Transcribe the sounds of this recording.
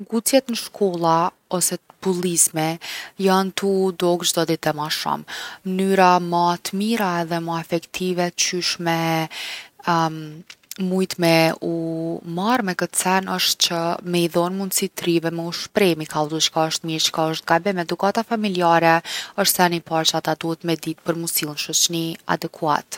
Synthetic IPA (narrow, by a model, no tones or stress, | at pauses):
ɡut͡sjɛt̪nəʃkʰɔlˠa | ɔsɛpulˠizmɛjant̪ud̪ɔɡd͡ʒd̪ɔd̪it̪ɛmaʃɔ̰mmənyɾamət̪əmiɾaɛðɛməɛfɛkt̪ʰivɛt͡ɕyʃmɛ | mujt̪mɛumaɾmɛkət̪t͡sɛnəʃt̪t͡ɕəmɛiðɔnmund̪sit̪ɾivɛmɛuʃpɾɛmikʰald̪ut͡ʃkaəʃt̪miɾt͡ʃə̥kaəʃt̪̚ɡabɛmɛd̪ukat̪afamiliaɾɛəʃt̪θɛnipaɾt͡ʃəat̪ad̪uhɛt̪mɛd̪it̪̚pəɾmusilˠnʃɔt͡ʃnia̰d̪ɛkʰua̰t̪